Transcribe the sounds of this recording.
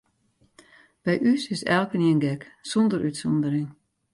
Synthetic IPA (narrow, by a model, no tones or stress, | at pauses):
b̥ɛjʔysɪsɛlˠkəniənɡɛksɔndəɾytsɔndəɾɪŋ